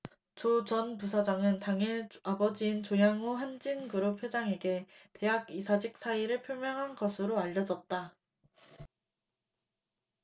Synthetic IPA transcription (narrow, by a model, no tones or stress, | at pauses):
t͡ɕot͡ɕʌnpus̬ʰad͡ʑaŋɯntaŋeabʌd͡ʑiːnt͡ɕojaŋoɦand͡ʑinɡɯɾopʰjod͡ʑaŋe̞ɡe̞te̞ɦaɡisʰad͡ʑik̚s͈ʰaiɾɯɭpʰjoɭmjʌŋɦanɡʌsʰɯɾoaʎːʌd͡ʑʌt̚t͈a